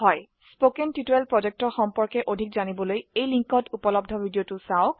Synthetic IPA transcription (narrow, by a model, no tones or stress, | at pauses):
ɦɔj | spokentituelpɹɔzɛk̚tɔɹxɔmpɔɹkɛʔodʱik̚zanibɔlojejliŋkɔtupɔlɔb̚dʱɔbʱidijotʊsaʊk̚